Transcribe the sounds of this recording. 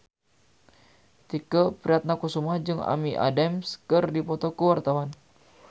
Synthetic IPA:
t̪ikəpɾiat̪̚nakusumad͡ʒɨŋa̰miʔa̰dɛmskɨrdipɔt̪ɔkəwart̪awan

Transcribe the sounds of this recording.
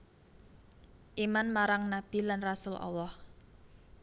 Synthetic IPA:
ʔimanmaɾaŋnab̥i̤lanrasʊlʔɑ̰lːɑh

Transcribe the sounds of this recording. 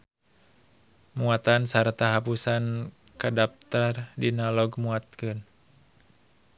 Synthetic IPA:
muat̪ansart̪aɦapusan | kadap̚t̪ardinalɔɡmuat̪̚kɨn

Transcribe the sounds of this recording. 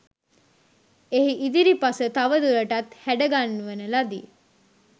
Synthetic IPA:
eɦiʔid̪iɾipasət̪aʋəd̪uɾəʈat̪hæɖəɡanːuʋənəlad̪i

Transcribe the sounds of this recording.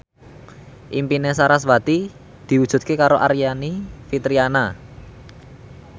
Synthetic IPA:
ʔimpinesaɾasba̤t̪i | d̪̥i̤wud̥ʒ̥ṳt̪̚kekaɾoʔaɾianifit̪ɾiana

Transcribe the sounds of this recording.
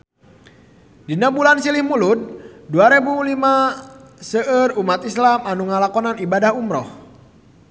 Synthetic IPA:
dinabulansilɪhmulud̪̚duaɾebulima | səʔərumat̪islamanuŋalakɔnanibadahumɾɔh

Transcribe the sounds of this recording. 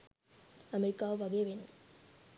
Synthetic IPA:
ɐmɛɾɪkːaːʋɐɣɐʋen

